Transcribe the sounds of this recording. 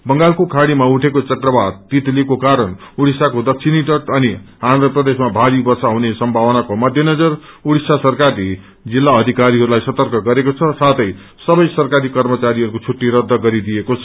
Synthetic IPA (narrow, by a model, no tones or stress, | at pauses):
bʌŋɡalkokʰaɽimauʈʰekot͡sʌkrʌbad̪t̪it̪likokaɾʌnuɽisakod̪ʌk̚t͡sʰiniʈʌʈʌni | and̪ɾʌprʌd̪esmabʱaɾibʌrsaɦunesʌmbʱawʌnakomʌd̪ʱjʌnʌd͡zʌr | uɽisasʌrkaɾi | d͡zilːaʌd̪ʱikaɾiɦʌɾulajsʌt̪ʌrkʌɡʌɾekot͡sʰʌsat̪ʌj | sʌbʌjsʌrkaɾikʌrmʌt͡saɾiɦʌɾukot͡sʰuʈːiɾʌd̪ʱːʌɡʌɾid̪ijekot͡sʰʌ